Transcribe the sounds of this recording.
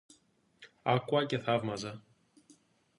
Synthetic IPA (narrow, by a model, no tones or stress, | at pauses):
ɐkuɐceθɐvmɐzɐ